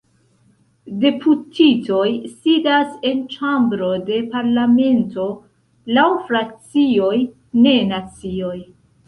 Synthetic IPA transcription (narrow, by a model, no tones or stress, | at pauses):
de̞pʰutʰito̞jsidase̞nt͡ʃambɾo̞de̞paɾlame̞nto̞ | lawfɾak̚t͡sio̞j | ne̞nat͡sio̞j